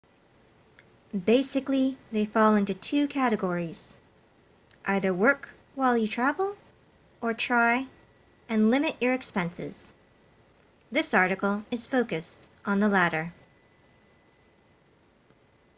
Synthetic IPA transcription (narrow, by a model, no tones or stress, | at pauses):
beɪsɨkliðeɪfɔlˠɪ̃ntʉtʰʉkʰæɾɨɡɔɹiz̥ | ʔaɪðə˞wɜ˞k | waɪlˠjɨtʰɹ̥ævl̩ˠ | ʔə˞tʰɹ̥aɪ | ɨ̃nlɪ̃mɨʔə˞ɨkspɛ̃nsɪ̰z̥ | ðɪsɑɹɾɨkl̩ˠɨz̥foʊkɨstn̩ðəlæɾə˞